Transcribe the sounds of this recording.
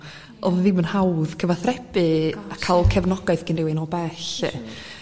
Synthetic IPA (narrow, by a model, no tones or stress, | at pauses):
ɔððimənhawðkʰəvaθrɛb̥ɨakʰalˠkʰɛvnɔɡaɨθɡ̥ɪnrɪwɪnɔbɛɬɛ̰